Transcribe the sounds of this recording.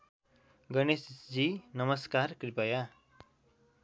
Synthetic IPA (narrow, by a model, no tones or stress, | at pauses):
ɡʌnesd͡zinʌmʌskarkripʌja